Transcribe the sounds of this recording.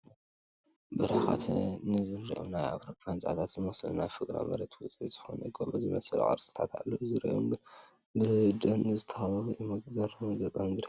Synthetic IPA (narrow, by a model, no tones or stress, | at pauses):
bɨɾaaxa̰t̪nɨzɨnɾiʔunaja̰βɾopʰant͡ʃʼat̪ʰat̪zɨmɐslunajfɨɡʼɾa̰mɐ̰ɾɐt̪ʰwʊt͡sʼiz̥ɨxonɐɡoβozɨmɐsɨl̰ʔʼɐ̰ɾsʼɨ̥t̪ʰat̪ʰa̰lːozɨɾḭʔom | bɨd͡ʒɐnːɨzɨt̪ʰːɐ̥xaβujɛmɨɡbɐɾmɨɡɐk̪ʼɐmɡ̪ɾi